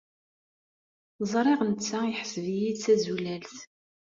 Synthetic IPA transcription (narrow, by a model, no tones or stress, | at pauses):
zˤɾˤeʁnt͡sːæiħəsəvijid̪t͡sæzulælθ